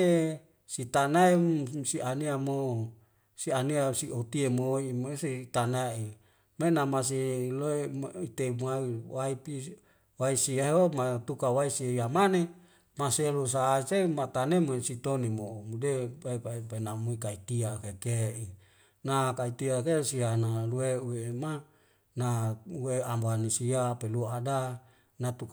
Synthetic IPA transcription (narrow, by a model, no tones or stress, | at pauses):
e | sit̪anaesiʔaniamo | sianiasiʔot̪iemoimesit̪anai | menamas̬eloeit̪emuaiwaipi | waisiaɦomat̪ukawaisiejamane | maselos̬aːisemat̪anemuesit̪onimomudepaipaipenamuikait̪iakekeʔi | nakait̪iakesianalueuema | naueambanisiapeluaada | nat̪uk